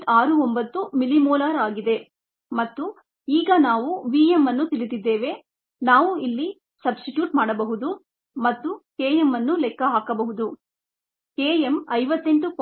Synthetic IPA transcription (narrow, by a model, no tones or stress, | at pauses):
aːɾuombɐt̪ːumilimɔːlaːɾaːɡid̪e̞ | mɐt̪ːu | iːɡɐnaːʋuʋiːemːɐnːut̪ilit̪id̪ːe̞ːʋe̞ | naːʋuilːi | sɐbsʈiʈjuːʈmaːɽɐbɐɦud̪u | mɐt̪ːukeːjemːɐnːulɛkːɐɦaːkɐbɐɦud̪u | keːjemɐjʋɐt̪ːe̞ɳʈuk